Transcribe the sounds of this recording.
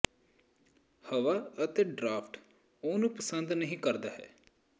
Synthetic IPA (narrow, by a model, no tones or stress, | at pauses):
həʋaːət̪eːɖɾaːpʰʈ | oːnũːpəsənd̪nəɦĩːkəɾd̪aːɦɛ̰ː